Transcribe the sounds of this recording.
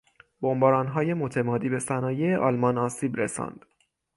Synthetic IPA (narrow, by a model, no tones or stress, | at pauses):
b̥ombɒːɾɒːnɦɒːje̞mot̪ʰe̞mɒːd̪iːbe̞sænɒːjeeʔɒːlmɒnɒːsiːbɾesɒ̰ːnd̪̥